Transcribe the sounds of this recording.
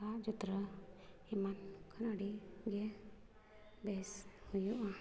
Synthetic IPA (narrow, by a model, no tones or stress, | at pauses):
ad͡ʒut̪ɾə | imankʰanaɽiɡɛ | bɛshujuʔa